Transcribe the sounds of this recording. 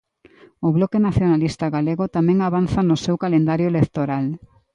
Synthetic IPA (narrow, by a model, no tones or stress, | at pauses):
ʊβlɔkenaθjonalist̪aɣaleɣot̪amɛ̃ŋaβ̞anθanʊsewkalend̪aɾjoelek̚t̪oɾal